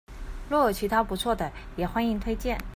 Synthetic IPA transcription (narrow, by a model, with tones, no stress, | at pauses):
lwɔ˥˩jo˨˩ʊt͡ɕʰi˧˥t̪ʰa˥pu˧˥t͡sʰwɔ˥˩d̪ə˩jɛ˨˩xwa˥ni˧˥ŋt̪ʰwe˥ɪt͡ɕjɛ˥˩n